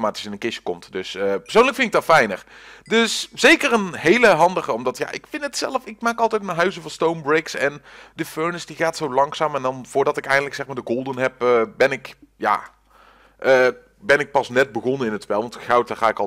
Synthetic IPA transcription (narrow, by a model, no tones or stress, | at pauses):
maːti̥sɪnənkɪʃə̥kɔmtdɵsəːpə̥sownləkfɪntɪɡ̚dɑtfɛjnərdɵsz̥ejkərənɦejləɦɑndəχəɔmdɑtja̰ːʔɪkfɪndətsɛ̰ləfɪk̚maːkɑlˠtɛjtmanɦœɥzəvɔnstowmbrejksɛndəføːɹnəsdiɣaːtsowlɑŋsaːmɛndɑnv̥ʊːɹdɑtɪkɛjɣəndələksɛxmaːɹdəɡolˠdənɦɛpəbɛnɪk | ja̰ː | ʔə | bɛnɪk̚pɑsnɛd̚bəɣɔnənɪnətwɛlˠʋɑntxaːtaχaːɪkɑ